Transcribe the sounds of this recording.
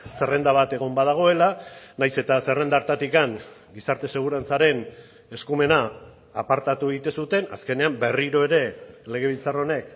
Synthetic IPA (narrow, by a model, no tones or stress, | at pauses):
se̞re̞nd̪aβ̞at̪e̞ɣ̞o̞mbað̞aɣ̞o̞e̞lanajse̞t̪ase̞re̞nd̪aɾt̪at̪ikaŋ | ɡisaɾt̪e̞se̞ɣ̞uɾant͡saɾe̞n | e̞skume̞naː | paɾt̪at̪ueɣit̪e̞sut̪e̞na̰ske̞ne̞ambe̞riɾo̞e̞ɾe̞le̞ɣ̞e̞β̞ilt͡saro̞ne̞k